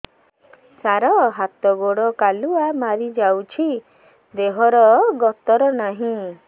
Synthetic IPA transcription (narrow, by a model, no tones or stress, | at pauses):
saɾɔɦat̪ɔɡoɽɔkaluamaɾid͡ʒawt͡ʃʰi | d̪eɦɔɾɔɡɔt̪ɔɾɔnaɦĩ